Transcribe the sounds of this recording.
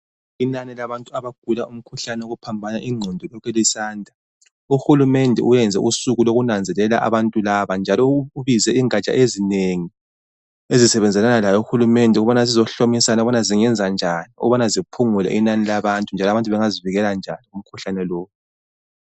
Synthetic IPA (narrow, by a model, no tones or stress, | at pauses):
inanilaβantʼuaβaɡ̥ʱulaum̩kʰuɬanɛoɣupʰambʱanaʔiŋ͡ǀʱɔndʱɔlɔkʰɛlisaːndʱa | uxulumɛndʱɛ̰ʔujɛnd͡zʱɛ̰ʔusuɣuloɣunand͡zʱɛlɛla̰ʔa̰βantʼulaβand͡ʒʱalɔuβizɛiŋat͡ʃʼa̰ʔezineŋi | ezisɛβɛnd͡zʱɛlanalajɔuxulumɛndʱuɣuβanazizɔɬomisanauβanaziŋɛnd͡zʱand͡ʒʱaniṵɣuβanazipʰuŋulɛ̰ʔinanilaβantʼund͡ʒʱalɔaβantʼuβɛŋaziviɣɛland͡ʒʱaniɣum̩kʰuɬanɛlɔːwu